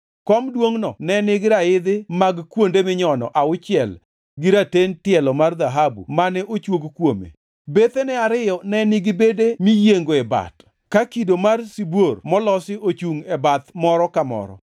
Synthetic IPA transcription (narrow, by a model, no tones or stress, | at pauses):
kɔmdwoŋnɔnɛnɪɡɪɾaɪd̪ɪmaɡkwondemɪɲɔnɔ̰ʔaʊt͡ʃɪɛl | ɡiɾatentɪɛlɔmard̪aɦabṵmanɛʔot͡ʃwoɡkwomḛ | bet̪enɛaɾɪjɔnɛnɪɡɪbedemijeŋɡoɛba̰t | kakidomarsibwormɔlɔsɪʔot͡ʃuŋɛbat̪mɔɾɔkamɔ̰ɾɔ̰